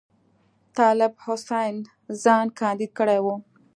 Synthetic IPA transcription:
t̪ɑlɪbhʊsajn | zɑnkɑnd̪id̪̚kəɽajwu

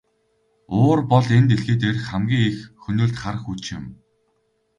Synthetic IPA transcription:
oːrpɔɮent̪eɮɣeːt̪erxæmɡʲiːŋexxɵnoːɮt̪χaɾə̆xut͡ɕɪ̰̆m

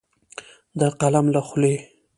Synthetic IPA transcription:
d̪əqalamlaxle

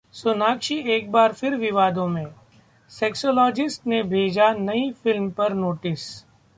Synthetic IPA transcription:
sʊnaːkʃieːk̚baːɾfɪɾʋɪʋaːd̪õmẽː | sɛːksoːlɔːd͡ʒɪsʈnebʱeːd͡ʒanɐifɪlmpɐɾnoːʈɪs

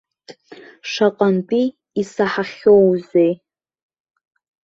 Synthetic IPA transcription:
ʂaqʼantʼiː | saħaχʲowzej

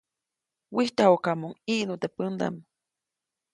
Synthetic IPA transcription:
wiht̪ahokamoŋiʔnut̪epənd̪a̰m

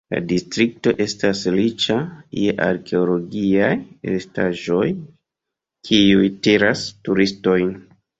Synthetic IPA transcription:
la̰distɾik̚to̞ʔe̞staslit͡ʃajeʔa̰ɾkʰe̞olo̞ɡiajḛstaʒo̞j | kʰiujtiɾastuɾisto̞jn

